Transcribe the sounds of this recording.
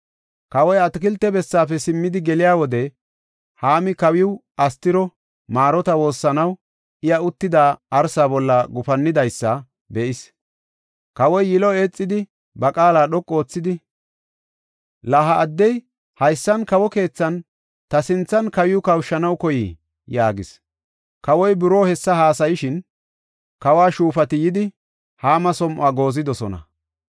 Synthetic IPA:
kɐwɔjɐt̪ɪkɪlt̪ːɛbɛsːaːfɛsɪmːɪd̪ɪɡɛlɪjaːwɔd̪ɛ | haːmɪkɐwɪʊʔɐst̪ɪɾɔ | maːɾɔt̪ɐwo̞ːsːɐnɐw | ʔɪjɐʊt̪ːɪd̪aːʔɐɾsaːbɔlːɐɡʊfɐnːɪd̪ɐjsːɐ | bɛʔɪs | kɐwɔjːɪlɔe̞ːt͡sʼːɪd̪ɪ | bɐkʼaːlaːɗɔkʼːo̞ːt͡sːɪd̪ɪ | laɦɐʔːd̪ːɛj | hɐjsːɐnkɐwɔke̞ːt͡sːɐn | t̪ɐsɪnt͡sːɐnkɐjɪjʊkɐwʃːɐnɐwkɔjɪ | jaːɡɪs | kɐwɔjbɪɾo̞ːhɛsːɐhaːsɐjɪʃɪn | kɐwaːʃuːfɐt̪ɪjɪd̪ɪ | haːmɐsɔmʔʊaːɡo̞ːzɪd̪ɔsɔnɐ̰

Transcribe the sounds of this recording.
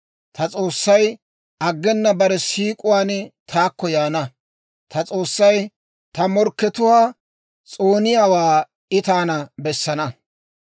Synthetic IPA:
t̪ɐt͡sʼo̞ːsːɐj | ʔɐɡːɛnːɐbɐɾɛsiːkʼʊwaːnt̪ʰaːkːɔjaːnɐ | t̪ʰɐt͡sʼo̞ːsːɐj | t̪ɐmɔɾkːɛt̪ʊwaː | t͡sʼoːnɪjaːwaː | ɪt̪aːnɐbɛsːɐnɐ

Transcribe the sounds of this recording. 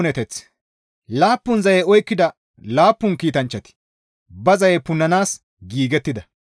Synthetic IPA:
nɛt̪ɛt͡s | laːpːʊnzɐjɛɔjkːɪd̪ɐ | laːpːʊnkiːt̪ɐnt͡ʃːɐt̪ɪ̥ | bɐzɐjɛpʊnːɐnaːs | ɡiːɡɛt̪ːɪd̪ɐ

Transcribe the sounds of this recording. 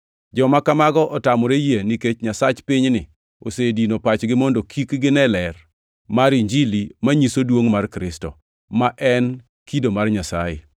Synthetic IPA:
d͡ʒɔmakamaɡɔʔɔtamɔɾejeniket͡ʃɲasat͡ʃpɪɲnɪ | osedinopat͡ʃɡɪmɔndokʰikɡɪnɛlɛr | maɾiɲd͡ʒilimaɲisodwoŋmarkɾɪstɔ̰ | maʔɛn | kidomarɲasa̰jḛ

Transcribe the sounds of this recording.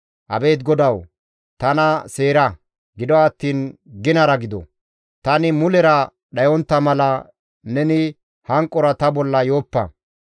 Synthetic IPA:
ʔɐ̰be̞ːt̪ɡɔd̪ɐw | t̪ɐnɐse̞ːɾɐ | ɡɪd̪ɔɐt̪ːiːnɡɪnɐɾɐɡɪd̪ɔ̰ | t̪ɐnɪmʊlɛɾɐ | ɗɐjɔnt̪ːɐmɐlɐ | nɛnɪ | hɐŋkʼːɔɾɐt̪ɐbɔlːɐjo̞ːpːɐ̰

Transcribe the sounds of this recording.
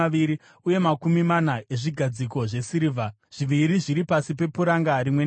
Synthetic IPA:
aiɾi | uje̞makumimanae̞ʐiɡʱad͡ziko̞ʐe̞siɾivʱa | ʐ̥iʋiɾiʐiɾipasipe̞puɾaŋɡaɾimwe̞

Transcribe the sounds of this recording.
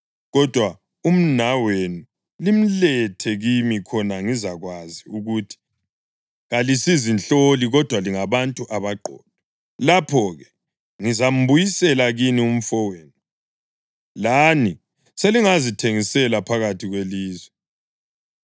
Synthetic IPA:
ɣɔd̥ʱwa | um̩nawenu | lim̩lɛtʰɛɣimikʰɔnaŋizaɣwaziuɣutʰi̥ | ɣalisizinɬoliɣɔd̥ʱwaliŋaβantʼuʔaβaɡ͡ǃʱɔ̰ːd̥̚ʱɔ | lapʰɔɣɛ | ŋizam̩bujisɛlaɣinium̩fɔweːnu | lani | seliŋazitʰeŋisɛlapʰaɣatʰiɣweliːzwɛ

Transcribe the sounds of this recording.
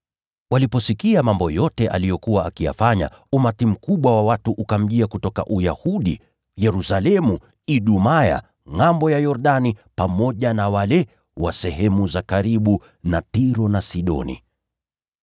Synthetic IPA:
walipɔsikiamambɔjɔtɛʔa̰lijɔkuwaːkija̰faɲa̰ | umatim̩kuɓwawawatuʔukam̩ʄiakutɔka̰ʔujahuɗḭ | jɛɾusalɛmu | iɗumaja̰ | ŋambɔjajɔɾɗanipamɔʄanawalɛ | wasɛhɛmuzakaɾiɓu | natiɾɔnasiɗɔ̰nḭ

